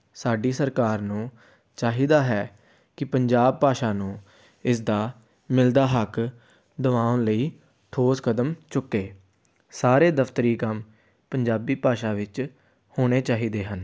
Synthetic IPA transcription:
saːɖiːsəɾkaːɾnũː | t͡ʃaːɦiːd̪aːɦɛː | kɪpəɲd͡ʒaːb̚paːʃaːnũː | ɪs̬d̪aː | mɪld̪aːɦək | d̪əʋãːʊnləiː | t̪ʰoːskəd̪əmt͡ʃʊkːeː | saːɾeːd̪əft̪əɾiːkəm | pəɲd͡ʒaːbiːpaːʃaːʋɪt͡ʃ | hoːɽ̃eːt͡ʃaːɦiːd̪eːɦən

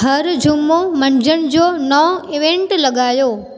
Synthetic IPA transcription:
ɦɐɾd͡ʑʱumomɐ̃nd͡ʑəɽ̃ɪ̆d͡ʑoːnɐõɪʋẽɳʈlɐɠaːjoː

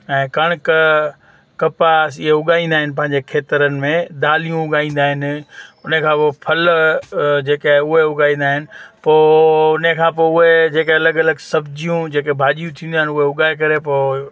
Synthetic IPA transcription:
ɛ̃ːkɐɽ̃k | kɐpasiɦeʊɠaːĩnd̪aːɦɪnɪ̆pɐ̃ɦɪ̃ɲ̆d͡ʑekʰeːt̪əɾənɪ̆mẽd̪aːlijũʊɠaːĩːn̆d̪aːɦɪnʊnekʰãːpopʰɐl | d͡ʑeːkeaʊɦeʊɠaːĩn̆d̪aːɦɪnɪ̆poːʊnekʰãːpoʊɦed͡ʑeːkeɐləɡɐləɡsɐbd͡ʑijũd͡ʑeːkebʱaːʄijũt̪ʰĩnd̪aːɦɪnʊɦeʊɠaːek̬ɐɾepoː

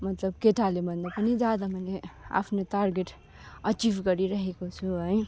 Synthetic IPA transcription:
mʌt̪lʌb̚keʈalebʱʌnd̪apʌnid͡zad̪amʌjlea̰pʰnot̪arɡeʈ | ʌt͡sibʱɡʌɾiɾʌɦekot͡sʰuɦʌj

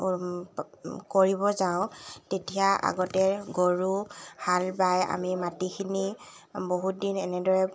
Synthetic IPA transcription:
koɹibɔzaʊ̃tetiaʔa̰ɡɔtɛɡoɹuhalbaja̰mimatikʰini | boɦut̚dinɛnɛdɔɹɛ

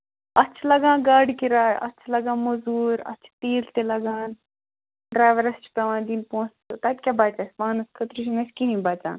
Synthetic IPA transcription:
ɐt͡ʃʰlɐɡãːɡaːɽkiɾaːjɐ̰t͡ʃʰlɐɡãːmozuːɾɐ̰t͡ʃʰt̪iːlt̪elɐɡaːn | ɖɾaːjʋɐɾɐst͡ʃʰi̥pɐʋãːnd̪iːnpõːt͡st̪ot̪at̪ʲkʲabaːt͡ʃasʲmaːnuskʰɐt̪ɾuʃʰinɐskinĩbaːt͡ʃã̰ːn

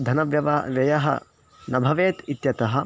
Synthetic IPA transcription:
d̪ʱɐnɐʋjɐʋaʋjɐjɐɦɐ̰ | nɐbʱɐʋeːt̪it̪jɐt̪ɐɦɐ̆

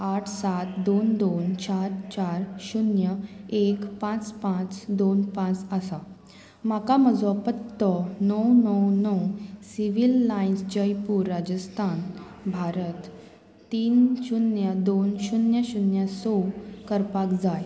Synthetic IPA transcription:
aʈʰsat̪d̪ond̪ont͡ɕaɾt͡ɕaɾɕunjəekpãt͡spãt͡sd̪onpãt͡səsa | makaməd͡zʋɔpət̪ːɔnəwnəwnəwsiʋilːainsd͡ʑəjpuɾːad͡ʑəst̪ʰan | bʱaɾət̪ː | iːnɕunjəd̪onɕunjəɕunjəsɔkəɾpakd͡zaj

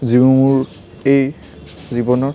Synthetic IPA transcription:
zibumuɹ | ej | zibɔnɔ

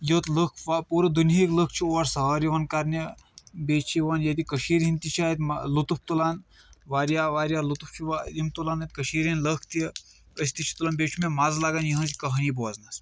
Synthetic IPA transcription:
jət̪ləkʰʋapuːɾɐd̪unɦiːkləkʰt͡ʃʰioɾsɐɦəːɾjiʋɐnkaɾnʲɐ | beːt͡ʃʰiʋɐnjɐt̪ikəʃiːɾɦint̪it͡ʃʰait̪ʲmlut̪up̚ʰt̪ulaːn | ʋaːɾjaːʋaːɾjaːlut̪up̚ʰt͡ʃʰiʋaimt̪ulaːnt̪ʲkəʃiːɾinləkʰt̪i | əsʲt̪it͡ʃʰi̥t̪ulanbʲeːt͡ʃʰumemaːzlaːɡanjiɦə̃nt͡sʲikɐɦɐniboːznas

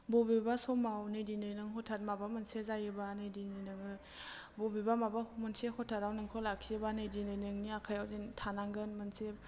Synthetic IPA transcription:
bɔbibasɔmawnejdinɯjnɯŋɦɔtʰat̚mabamɯnsezajɯbanejdinɯjnɯŋɯ | bɔbibamabamɯnsehɔtʰaɾawnɯŋkʰɔlakʰiebanejdinɯjnɯŋniakʰajawzentʰanaŋɡɯnmanse

